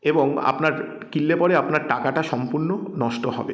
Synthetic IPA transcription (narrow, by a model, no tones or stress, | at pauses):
eboŋa̰pnaɾ | kilːepɔɽeapnaɾʈakaʈaʃɔmpuɾnonɔʃʈoɦɔ̰bḛ